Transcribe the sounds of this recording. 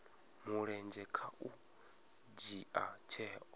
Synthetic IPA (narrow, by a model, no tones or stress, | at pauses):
muɺɛnd͡ʒɛkʰaʔu | d͡ʒiʔat͡ʃʰɛɔ